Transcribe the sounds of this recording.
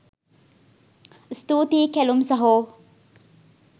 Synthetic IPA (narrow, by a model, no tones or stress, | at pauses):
stuːtikelumsɐɦo